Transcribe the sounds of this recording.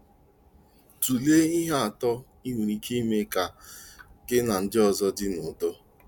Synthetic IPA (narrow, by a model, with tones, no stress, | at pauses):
tu˨le˦i˦ɦe˦a˨tɔ˦ | i˦ɦu˨ɾi˦ki˦me˦ka˨ | ke˦na˨n̩˦dɪ˦ɔ˨zɔ˦dɪ˦nʊ˨do˦